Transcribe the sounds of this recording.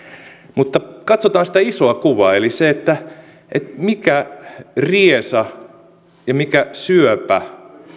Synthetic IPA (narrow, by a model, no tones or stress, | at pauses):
mut̪ːɑkɑt̪sot̪ɑːnsĭ̥t̪æisoɑkuʋɑeliseet̪ːæ | et̪mikæriesɑ | jɑmikæsyøpæ